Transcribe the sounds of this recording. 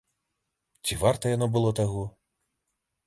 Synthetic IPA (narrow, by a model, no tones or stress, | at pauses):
t͡ɕʲiʋɑrt̪ɐjɔnɔbʊlˠɔt̪ɐɦu